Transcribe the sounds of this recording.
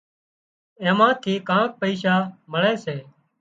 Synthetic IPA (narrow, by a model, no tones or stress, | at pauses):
ẽːmãːt̪ʰiːkãːk̚pəiːʃaːməɭeːseː